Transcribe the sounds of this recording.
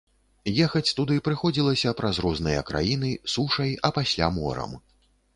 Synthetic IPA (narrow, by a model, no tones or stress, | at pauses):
jɛxɐt͡sʲt̪ud̪ɨpɾɨxɔd͡zʲilˠɐsʲɐpɾazɾɔznɨjɐ̰kɾa̰jin̪ɨsuʂɐjɐpasʲlʲa̰mɔ̰ɾɐ̰m